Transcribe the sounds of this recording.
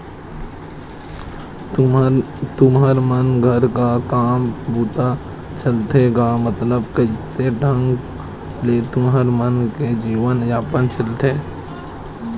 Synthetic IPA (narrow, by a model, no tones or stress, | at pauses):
t̪ʊməɾmənɡʱəɾkakaːmbuːt̪a | t͡ʃəlt̪eɡamət̪ləbkəiseɖʱə̃ŋɡ | let̪ʊmɦəɾmənked͡ʒiːʋənjaːpənt͡ʃəlt̪eː